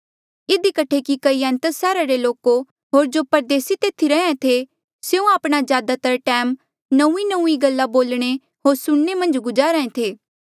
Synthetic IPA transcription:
ɪd̪ikəʈʰekikɐiɛ̃nt̪əsɛːɾaɾeloːko | ɦoːɾd͡ʒoːpɐɾd̪eːsit̪eːt̪ʰiɾɐɦãt̪ʰe | seũaːpɽ̃azjaːd̪at̪ɐɾaʈɛːm | nɐ̃ũinə̃ũːiɡɐlːaboːlɽ̃e | ɦoːɾsʊɽ̃nemɐ̃nd͡ʒɡʊd͡ʒaːɾəẽt̪ʰeː

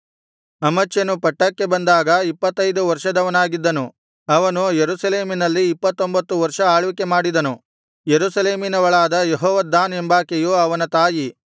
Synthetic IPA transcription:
ɐmɐt͡ʃːjɐnupɐʈːɐkːe̞bɐnd̪aːɡɐipːɐt̪ːɐjd̪uʋɐɾʂɐd̪ɐʋɐnaːɡid̪ːɐnu | ɐʋɐnujeɾusɐle̞ːminɐlːiːpːɐt̪ːombɐt̪ːuʋɐɾʂɐaːɭʋikemaːɽid̪ɐnu | jeɾusɐle̞ːminɐʋɐɭaːd̪ɐjeɦɔːʋɐd̪ːaːnembaːkejuɐʋɐnɐt̪aːji

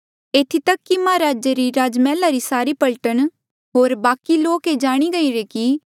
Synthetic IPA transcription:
eːt̪ʰit̪ɐkːimaːɾaːd͡ʒeɾiɾaːd͡ʒmɛːlaɾisaːɾipɐlʈəɽ̃ | ɦoːɾbaːkiloːked͡ʒaːɽ̃iɡɐiɾeki

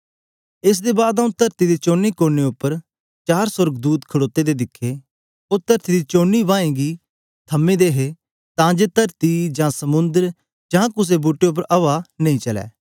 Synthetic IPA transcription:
ɪs̬d̪ebaːd̪aũt̪ɐɾt̪id̪et͡ʃoːnikoːɾneʊpːəɾ | t͡ʃaːɾsʊɾɡd̪uːt̪kʰɐɽoːt̪ːed̪ed̪ɪkʰːe | ot̪ɐɾt̪id̪it͡ʃoːnːibãːẽɡi | t̪ʰɐmẽd̪eːɦe | t̪ãd͡ʒeːt̪ɐɾt̪id͡ʒãːsɐmʊ̃nd̪əɾ | d͡ʒãːkʊs̬ebuːʈːeʊp̬ːəɾʔɐʋanɐ̃ĩt͡ʃɐlɛ̰ː

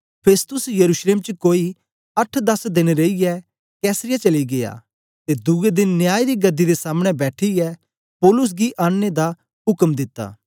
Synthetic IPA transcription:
pʰeːst̪ʊsjɐɾuːʃleːmt͡ʃəkoːi | ɐʈʰd̪ɐsd̪eːɽ̃eɾeijɛ | kɛːsɾɪjat͡ʃɐliɡeja̰ː | t̪ed̪ʊed̪ɪnːjaːid̪iɡɐd̪ːid̪esaːməɽ̃ɛ̃bɛːʈʰiɛ | pɔːlʊs̬ɡiʔaːɽed̪a | ɦʊkmd̪ɪt̪ːa̰ː

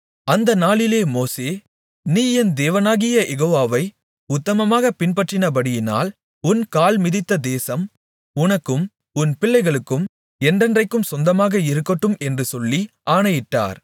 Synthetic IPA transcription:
ɐnd̪ɐnaːlɪleːmoːseː | niːɛnd̪eːʋɐnaːɣɪjɐʔɛɣoːʋaːʋɐɪ | ʊt̪ːɐmɐmaːɣɐpɪnpɐʈrɪnɐbɐɽɪjɪna̰ːl | ʊnkaːlmɪðɪt̪ːɐd̪eːsɐm | ʊnɐkːɯm | ʊnpɪɭːɐɪɣɐɭɯkːɯm | ɛndrɛndrɐɪkːɯmsɔnd̪ɐmaːɣɐɪɾɯkːɐʈːɯmɛndrɯsɔlːiaːnɐjɪʈːa̰ːɾ

